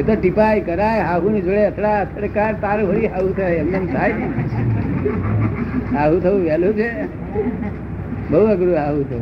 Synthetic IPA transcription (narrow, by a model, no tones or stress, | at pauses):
et̪oʈipajkəɾajɦaɦunid͡ʒoɽeət̪ʰɽaət̪ʰəɽekaɾt̪aɾbʱəɾiɦaɦut̪ʰəemnəmsʰaj | ɦaɦut̪ʰəuʋɛlut͡ʃʰe | bəɦuəɡɾuɦaɦut̪ʰəu